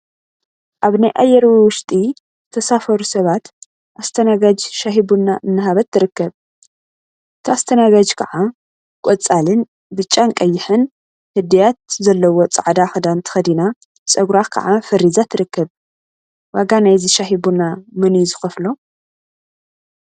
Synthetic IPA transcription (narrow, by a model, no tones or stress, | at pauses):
ʔaβnajʔajːɛɾwiwʊʃt̪ʼi | zɨt̪ʰɐsafɐɾusɐβat̪ | ʔast̪ʰɐnaɡad͡ʒʃaɦibunaʔɨnːɨɦaβɐt̪ʰːɨɾɨkːɐβ | ʔɨt̪ʰiast̪ʰɐnaɡad͡ʒkʰɐʕa | kʷʼɔt͡sʼalɨn | bɨt͡ʃʼːaŋkʼɐjːɪħɨn | hɨd̪ijat̪̚zɐlːɐwo̞t͡sʼa̰ʕd̪axɨd̪ant̪ʰɨ̥xɐd̪ina | t͡sʼɐɡɾakʰɐ̰ʕafɐrizat̪ʰɨɾɨkːɐβ | waɡanajzɨʃahibunamɨnjzɨxɐflo